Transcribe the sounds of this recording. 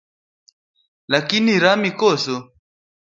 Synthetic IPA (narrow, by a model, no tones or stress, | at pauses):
lakiniɾamikɔsɔ